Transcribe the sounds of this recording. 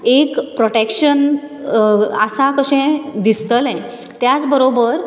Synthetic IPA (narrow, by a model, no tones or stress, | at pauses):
ekpɾoʈekɕən | əsakəɕɛ̃d̪ist̪əlɛ̃ | t̪jat͡sbəɾobəɾ